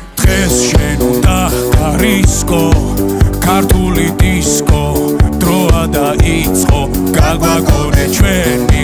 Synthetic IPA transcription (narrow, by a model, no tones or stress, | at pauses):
d̪̥ʁɛsʃɛnud̪a | ɡaɾiskʼɔ | kʰaɾt̪ʰulit̪ʼiskʼɔ | d̪̥ɾɔad̪aʔit̪sʼqʼɔ | ɡ̥aɡwaɡɔnɛt͡ʃʰwɛni